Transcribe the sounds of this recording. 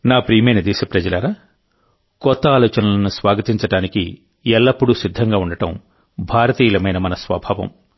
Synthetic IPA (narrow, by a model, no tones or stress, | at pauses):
naːpɾiːmɐjnɐd̪ɛːsɐpɾɐd͡ʒɐlɐɾaː | kɔt̪ːɐaːlɔːt͡ʃɐnɐlɐnusʋaːɡɐt̪iɲt͡ʃɐɽaːnikḭ | ɛlːɐpːuɽusid̪ʱːɐŋɡaːuɳɖɐʈɐm | bʱaːɾɐt̪iːlɐmɐjnɐmɐnɐsʋɐ̰bʱaːʋɐ̰m